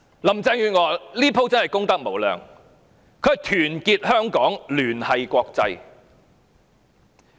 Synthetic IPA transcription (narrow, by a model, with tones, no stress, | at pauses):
lɐ˨˩mt͡sɛː˧ŋjyː˨˧nŋɔː˨˩liː˥pʰo˧˥wt͡sɐ˥nhɐ˨jkʊ˥ŋt̪ɐ˥k̚mo˨˩wlœ̰ː˨ŋ | kʰɵ˨˧˥jt̪ʰyː˨˩nkiː˧t̚hœː˥ŋkɔː˨˥ŋlyː˨˩nhɐ˨jkʷɔː˧k̚t͡sɐ˧j